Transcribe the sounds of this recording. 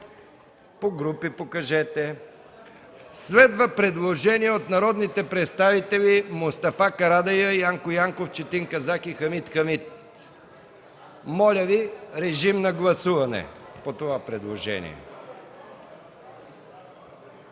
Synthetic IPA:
poɡɾupipokɐʒɛt̪ɛ | svɛd̪vəpɾɛd̪lˠoʒɛniɛot̪nɐɾɔd̪nit̪ɛpɾɛt̪st̪avit̪ɛlʲimʊst̪ɐfakɐɾad̪ɐjəjaŋkojaŋkoft͡ʃɛt̪iŋkɐzakixɐmit̪xɐmit̪̚ | mɔlʲəviɾɛʒimnɐɡlˠɐsuvɐnɛ̰pot̪ovapɾɛd̪lˠoʒɛ̰nḭɛ̰

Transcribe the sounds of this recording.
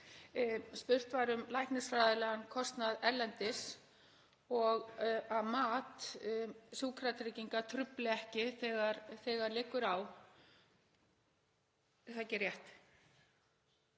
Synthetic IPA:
spʏr̥t̪vaɾʏmlajhknɪsfɾajðɪlɛɣankʰɔst̪naðɛɾlɛnt̪ɪs | ɔɣaðmaːt̪ | suːkʰɾat̪ɾɪciŋkat̪ʰɾʏplɪɛhcɪθɛɣaɾθɛɣaɾlɪːkʏɾaw | θacɪrjɛht̪

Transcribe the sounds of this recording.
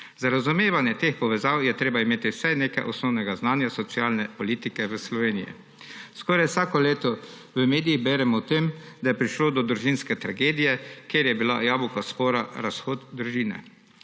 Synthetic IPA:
zaɾazumeːʋanjɛt̪expɔʋɛzawjɛt̪ɾeːbaimeːt̪iwsɛjneːkajʔɔsnɔwnɛɡaznaːnjasɔt̪sjaːlnɛpɔliːt̪ikɛʋəslɔʋeːnijḭ | skɔːɾajwsaːkɔleːt̪ɔ | ʋəmeːd̪ijiɣbɛːɾɛmɔwt̪eːmd̪ajɛpɾiʃloːd̪ɔd̪ɾuʒinskɛt̪ɾaɡeːd̪ijɛkjeːɾjɛbilajaːbukaspoːɾaɾasxoːt̪d̪ɾuʒiːnɛ̰

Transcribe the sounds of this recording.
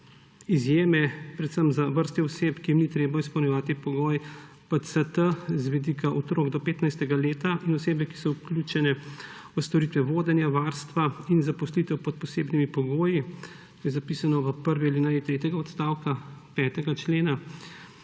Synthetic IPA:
izjeːmɛpɾɛt̪səmzaʋəɾst̪ɛɔseːpkijimnit̪ɾeːbaispɐwnjɛʋaːt̪ipɔɡoːj | pət̪sət̪əzʋɛd̪iːkaʔɔt̪ɾoːɡd̪ɔpeːt̪najst̪ɛɡaleːt̪aʔinɔseːbɛki̥sɔuklʲjut͡ʃɛnɛ | ɔst̪ɔɾiːt̪ʋɛʋoːd̪ɛnjaʋaːɾst̪ʋainzapɔslit̪ɛwpɔt̪̚pɔseːbnimipɔɡoːji | t̪ojɛzapiːsanɔʋəpəɾʋialinajit̪ɾeːt̪ɛɡaɔt̪st̪aːwkapɛːt̪ɛɡat͡ʃleːna

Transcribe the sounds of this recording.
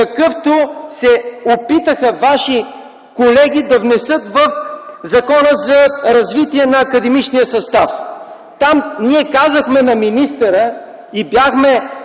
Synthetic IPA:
kɐkɤft̪osɛopit̪əxəvaʃi | kolɛɡ̟ʲid̪ɐvnɛsɤt̪vəfzɐkɔnəzɐɾɐzvit̪iɛnɐːkɐd̪ɛmit͡ʃnijəsɐst̪a̰f | t̪amniɛkazəxmɛnɐminist̪əɾə | ibjaxmɛ

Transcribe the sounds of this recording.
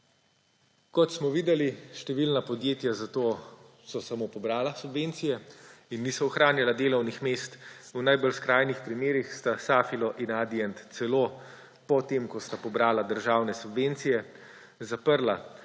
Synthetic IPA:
kɔt̪smɔʋiːd̪ɛliʃt̪ɛʋilnapɔd̪jeːt̪jazat̪oː | sɔsamoːpɔbɾaːlasubʋent̪sijɛinːisɔɔxɾaːnjalad̪eːlɔwnixmeːst̪unajbɔlskɾaːjnixpɾimeːɾixst̪asaːfilɔʔinaːd̪iɛnt̪t̪sɛloː | pɔt̪emkɔst̪apɔbɾaːlad̪əɾʒaːwnɛsubʋent̪sijɛ | zapəɾla

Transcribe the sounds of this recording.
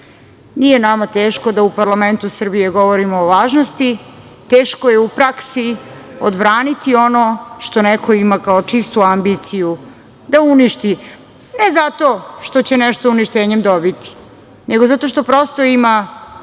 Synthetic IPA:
nije̞namat̪eːʃko̞d̪aupaɾlˠame̞nt̪usr̩bijeɡo̞ʋoɾimoːʋaːʒnost̪i | t̪e̞ːʃko̞jeupɾaksi | od̪bɾaːnit̪io̞noʃt̪o̞nekʰo̞imakaot͡ʂist̪uambit̪siju | d̪auniʃt̪i | nezat̪o̞ʃt̪o̞t͡ɕenɛʃt̪ouniʃt̪eːɲemd̪o̞bit̪i̥ | neɡo̞zat̪o̞ʃt̪opɾost̪o̞ima

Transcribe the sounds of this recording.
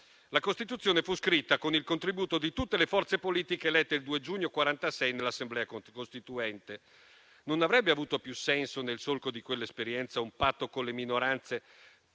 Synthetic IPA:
lakost̪it̪ut̪sːjoːnefuskɾit̪ːakonilkont̪ɾibuːt̪od̪it̪ut̪ːelefɔrt̪sepoliːt̪ikelɛt̪ːeild̪uːed͡ʒuːɲːokwaɾant̪asɛjnelːasːemblɛːaokost̪it̪uɛnt̪e | nonavɾɛbːeavuːt̪opjusːɛnsonelsolkod̪ikwelːaespeɾjɛnt̪saumpat̪ːokoleminoɾant̪se

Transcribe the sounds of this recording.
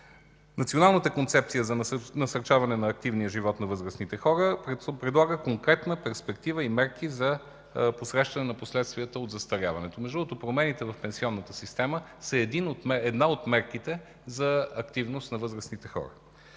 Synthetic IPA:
nɐt̪sionalˠnət̪əkont̪sɛp̚t̪sijəzɐnɐsɐɾt͡ʃavɐnɛnɐːk̚t̪ivniəʒivɔt̪nɐvɤzɾəsnit̪ɛxɔɾəpɾɛd̪lˠaɡəkoŋkɾɛt̪nəpɛɾspɛkt̪ivəimɛɾkizɐ | posɾɛʃt̪ɐnɛnɐposlɛt̪st̪vʲiət̪əod̪zɐst̪ɐɾʲavɐnɛt̪omɛʒd̪uot̪opɾomɛnit̪ɛvɐfpɛnsiɔnːət̪əsist̪ɛməsɛɛd̪inot̪mɛɛd̪naot̪mɛɾkit̪ɛ | zɐɐkt̪ivnost̪nɐvɤzɾəsnit̪ɛxɔ̰ɾə

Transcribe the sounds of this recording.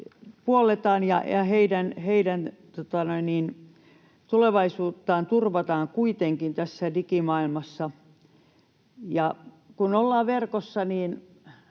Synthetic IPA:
puolet̪ɑːnjɑ̰jɑheidænheidænt̪ot̪ɑnoinniːn | t̪uleʋɑisuːt̪ːɑːnt̪urʋɑt̪ɑːŋkuit̪eŋkint̪æsːædikimɑilmɑsːɑ | jɑ | kunolːɑːʋʋerkosːɑniːn

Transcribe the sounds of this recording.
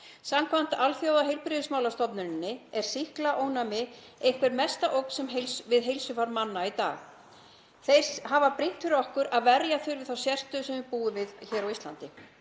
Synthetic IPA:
samkʰvan̥t̪alθjowðaɦejlpɾɪðɪsmaːwlast̪ɔpnʏnɪnːɪɛɾ̥sihklaʔoːwnamɪ | ejŋ̥kvɛɾmɛst̪aʔowkn̥sɛmɦejlsvɪðɦejlsʏfaɾmanːait̪a̰ːx | θej̥sɦavapɾin̥t̪fɪɾɔhkʏɾʔaðvɛɾjaθʏjɾvɪðθawsjɛr̥t̪ʏsɛmvɪpuːðʏvɪðçɛːɾawist̪la̰nt̪ɪ

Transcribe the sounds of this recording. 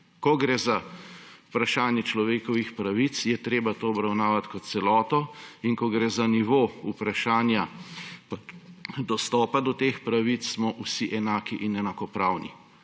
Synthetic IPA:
kɔɡɾeːzaupɾaʃaːnjɛt͡ʃlɔʋeːkɔʋixpɾaʋit̪sjɛt̪ɾeːbat̪oːɔbɾawnaːʋat̪kɔt̪̚sɛlɔːt̪ɔiŋkɔɡɾeːzaniʋoːupɾaʃaːnja | d̪ɔst̪ɔːpad̪ɔt̪eːxpɾaʋit͡s̪smɔʔusiʔɛnaːkiʔinɛnakɔpɾaːwnḭ

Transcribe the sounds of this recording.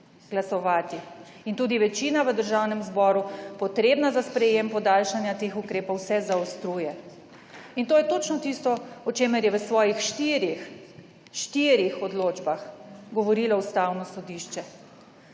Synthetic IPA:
ɡ̥lasɔʋaːt̪iint̪uːd̪iʋɛt͡ʃiːnaʋəd̪əɾʒawnɛmzbɔːɾupɔt̪ɾebnazaspɾɛjempɔd̪alʃanjat̪exukɾeːpɔwsɛzaɔst̪ɾuːjɛ | int̪oːjɛt̪ot͡ʃnɔt̪ist̪ɔɔt͡ʃeːmɛɾjɛʋəsʋɔːjixʃt̪iɾi | ʃt̪iːɾixɔd̪loːd͡ʒbaxɡɔʋɔɾiːlaust̪awnɔsɔd̪iʃt͡ʃɛ

